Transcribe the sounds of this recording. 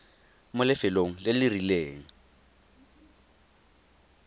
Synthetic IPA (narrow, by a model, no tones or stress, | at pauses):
mʊlɪfɪloŋ̩lɪlɪrileːŋ̩